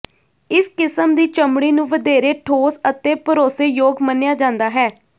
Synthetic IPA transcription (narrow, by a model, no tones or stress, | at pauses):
ɪskɪsəmd̪iːt͡ʃəmɽiːnũːʋəd̪eːɾeːʈʰoːsət̪eːpəɾoːseːjoːɡmənejaːd͡ʒãːnd̪aːɦɛː